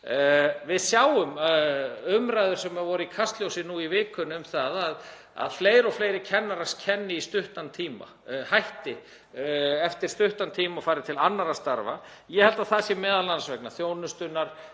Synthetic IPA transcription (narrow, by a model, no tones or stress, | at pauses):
vɪðsjaːwʏm | ʏmɾajðʏɾ̥sɛmːɛðvɔɾʏikʰast̪ljowsɪnuivɪːkʏnʏmθaðað | a̰ðfleːjɾɔɣfleːjɾɪcʰɛnːaɾascʰɛnːɪist̪ʏht̪ant̪ʰiːma̰ | hajht̪ɪ | ɛft̪ɪɾ̥st̪ʏht̪ant̪ʰiːmaɔfaːɾɪt̪ʰɪlanːaɾast̪aɾva̰ | jɛhɛlt̪aðθaðsjɛmɛːðalansvɛknaθjoːwnʏst̪ʏnːaɾ̥